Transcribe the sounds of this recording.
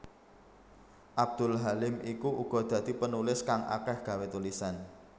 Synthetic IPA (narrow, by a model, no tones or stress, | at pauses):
ʔab̚d̪̥ʊlɦalɪmikuʔuɡ̥ɔ̤d̪̥ä̤d̪̥i̤pənulɪskaŋʔa̰kɛhɡ̥ä̤wet̪ulisan